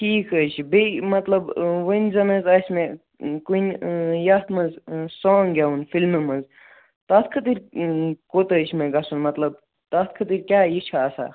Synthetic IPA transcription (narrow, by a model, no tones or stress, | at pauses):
ʈʰiːkʰət͡ʃʰbimɐt̪lɐbʋənʲzɐnɐzɐsʲmẽ | kunjɐt̪ʰmɐnzsoːŋɡʲɐunfilmɨmɐnz | t̪ɐt̪ʰkʰɐt̪iɾkot̪ət͡ʃʰmẽɡɐsunmɐt̪lɐb̚ | t̪ɐt̪̚ʰkʰɐt̪iɾkʲjaːjit͡ʃʰaːsa̰